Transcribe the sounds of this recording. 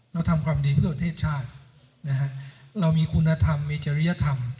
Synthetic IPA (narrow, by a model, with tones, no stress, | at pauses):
ɾa˦˥˧wt̪ʰa˧mkʰwaː˧mdiː˧t̪ʰɯ˥˩pɾa˧t̪ʰeː˥˩t̪̚t͡ɕʰaː˥˩t̪̚ | na˦˥kʰa˦˥ʔɾa˧wmiː˧kʰu˧nːa˧t̪ʰa˧mːiː˧˥t͡ɕa˧ɾi˦˥ja˧t̪ʰa˧m